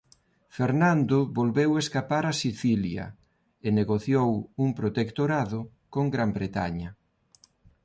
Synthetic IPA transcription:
feɾnãnd̪ʊβolβeweskapaɾasiθiljɐ̰ | eneɣoθjowuŋpɾot̪ekt̪oɾaðʊ | koŋɡɾambɾet̪a̰ɲɐ

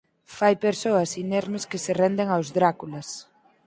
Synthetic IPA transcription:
fajpeɾsoɐsinɛɾmeskeserɛnd̪eŋawzðɾakulɐs

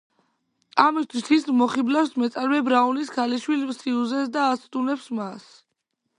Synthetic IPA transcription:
amist̪ʰwisismɔχiblafsmɛt̪sʼaɾmɛbɾauniskʰaliʃwilsiuzɛs̬d̪aːst̪ʼunɛpsmas

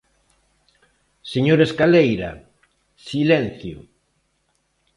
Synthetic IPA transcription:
seɲoɾeskalejɾa̰ | silɛn̟θjʊ

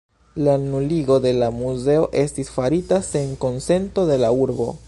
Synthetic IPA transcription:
lanuliɡo̞de̞lamuze̞o̞ʔe̞stisfaɾitase̞ŋko̞nse̞nto̞de̞lauɾbo̞̰

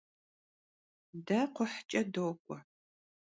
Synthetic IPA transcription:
dɐqʷʊħt͡ʃʼɐdoːkʷʼɔ

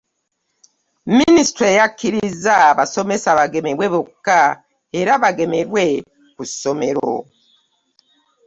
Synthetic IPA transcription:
ministɾoejakiɾiizaβaso̞me̞saβaɡe̞meɾweβoka | eɾaβaɡe̞me̞ɾwe̞ | kuso̞me̞ɾo̞̰

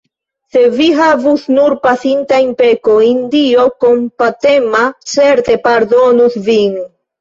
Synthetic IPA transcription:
se̞viɦavusnuɾpasintainpekoindio̞kompat̪e̞mat͡se̞ɾt̪e̞paɾdo̞nusvin

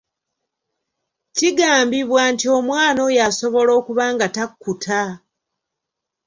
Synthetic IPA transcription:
ciɡaːmbiβwaːntio̞mwaːno̞jaso̞βo̞lo̞ːkuβaːŋɡatakːutʰa

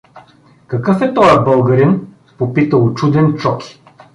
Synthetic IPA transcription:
kɐkɤfɛt̪ɔjɐbɤlˠɡɐɾin | popit̪əot͡ʃud̪ɛnt͡ʃɔki̥

